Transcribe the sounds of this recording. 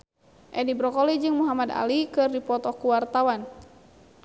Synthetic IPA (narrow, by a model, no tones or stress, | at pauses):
ʔɛdibɾɔkɔlid͡ʒɨŋmuɦamad̪a̰likɨrdipɔt̪ɔkuwart̪awan